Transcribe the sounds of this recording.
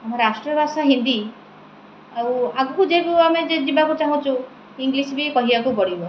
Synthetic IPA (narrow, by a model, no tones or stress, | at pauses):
amaɾasʈɾɔbʱasaɦind̪i | aw̃aɡɔkud͡ʒekuamed͡ʒed͡ʒibakut͡ʃaɦũt͡ʃʰũ | iŋɡlisbikɔɦibakupɔɽibɔ